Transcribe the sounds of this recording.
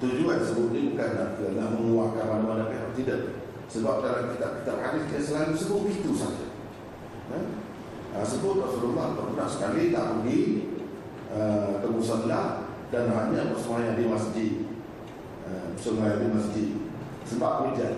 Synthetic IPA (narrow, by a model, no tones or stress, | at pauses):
t̪ud͡ʒuansəbʊʔ̚nibukanlakəalahməŋuwaʔkanranuadapaasidəʔ | səbap̚kalakit̪aʔ̚ki̥t̪aphadɪskidasəlalusəbʊʔ̚bit̪usad͡ʒa̰ | ə | əsəbʊt̪̚pasulumap̪əkənaʔsə̥kalit̪aʔpəɡi | əkəmusənlah | danɦaɲãpəsəmuajadimasd͡ʒit̪̚ | əəsəmajadimasd͡ʒɪt̪̚ | səbap̚əɾid͡ʒa